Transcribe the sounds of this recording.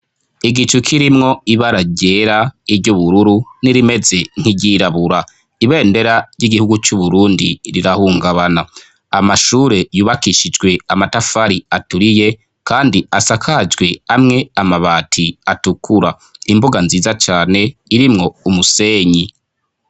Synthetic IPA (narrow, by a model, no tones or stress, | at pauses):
iɡit͡ʃukʰiɾimŋo̞iβaɾaɟe̞ɾaiɾɟuβuɾuɾuniɾime̞ze̞n̥hiɟiːɾaβuɾa | iβe̞ːnde̞ɾaɾjiɡihuɡut͡ʃuβuɾuːndiɾiɾahuːŋɡaβana | amaʃuːɾe̞juːβakiʃid͡ʒɡwe̞amatafaɾiatuɾije̞ | kaːndiasakʰad͡ʒɡwe̞amŋe̞amaβaːtʰiatukuɾa | imbuɡanziːzat͡ʃaːne̞iɾimŋo̞umuse̞ːɲi